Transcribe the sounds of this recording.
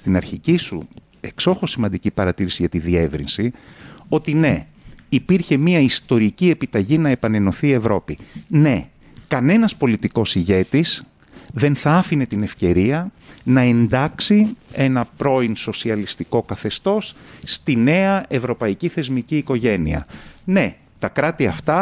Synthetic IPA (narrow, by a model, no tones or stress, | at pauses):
st̪inɐɾçicisṵ | e̞kso̞xo̞simɐnd̪icipɐɾɐt̪iɾisiʝɐt̪iðie̞vɾinsio̞t̪ine̞ | ipiɾçe̞miɐist̪o̞ɾicie̞pit̪ɐʝinɐe̞pɐne̞no̞θiːe̞vɾo̞pine̞ | kɐne̞nɐspo̞lit̪iko̞siʝe̞t̪is | ðe̞nθɐɐfine̞t̪ine̞fce̞ɾiɐ | nɐe̞nd̪ɐksie̞nɐpɾo̞inso̞siɐlist̪iko̞kɐθe̞st̪o̞sːt̪ine̞ɐʔe̞vɾo̞pɐiciθe̞zmiciːko̞ʝe̞nḭɐ̰ne̞ | t̪ɐkɾɐt̪iɐft̪ɐ